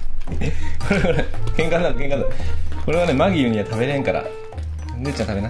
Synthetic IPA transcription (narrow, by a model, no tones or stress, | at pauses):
koɾeɡakẽ̞ŋkãnãkẽŋkãnako̞ɾe̞ɡane̞maɡʲiɯɲ̟iat̪abe̞ɾẽŋkaɾa̰ | d̪et͡ɕãt̪abe̞na